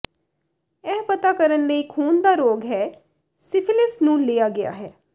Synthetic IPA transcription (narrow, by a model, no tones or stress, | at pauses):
ɛːpət̪akəɾənləiːkʰuːnd̪aːɾoːɡɦɛː | sɪpʰɪlɪsnũːleːjaːɡɪja̰ɦɛː